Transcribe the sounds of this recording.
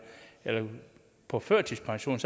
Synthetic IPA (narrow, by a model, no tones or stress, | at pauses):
elɐ | pʰɒ̽føɐt͡sʰispʰɑ̈ŋɕo̝̰ːn̩s